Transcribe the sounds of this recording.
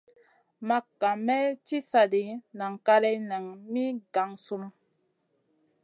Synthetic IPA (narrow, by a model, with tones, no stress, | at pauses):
ma˦kːa˨mɛ˦t͡ʃi˦sa˨di˨na˨ŋ˨ka˦ɾɛ˦na˨ŋmi˦ɡa˨ŋsu˦m